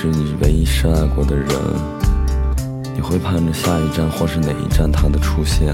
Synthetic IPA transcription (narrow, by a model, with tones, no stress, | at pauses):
ɻ̩˥˩ni˨˩wḛ˧˥ɪi˥ʂɻ̩˥a˥˩ɪkwɔ˧˥d̪ə˧ɻə̰˧˥n | ni˨˩xwe˥˩ɪpʰa˥˩nʈ͡ʂə˧˩ɕja˥˩i˧˥ʈ͡ʂa˥˧nxwɔ˥˧ʂɻ̩˥ne˨˩ɪʔḭ˧˥ʈ͡ʂa˥˩nt̪ʰa˥d̪ə˨ʈ͡ʂʰu˥ɕjɛ˥˩